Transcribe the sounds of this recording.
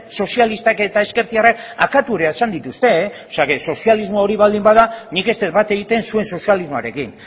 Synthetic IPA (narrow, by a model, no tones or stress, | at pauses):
so̞sialist̪ake̞t̪ae̞ske̞ɾt̪iaraka̰kat̪uɾeaesand̪it̪ust̪e̞ | seakeso̞sializmoo̞ɾiβald̪imbað̞anike̞st̪et̪bat̪e̞ɣ̞it̪e̞nsue̞nso̞sializmoa̰ɾe̞kin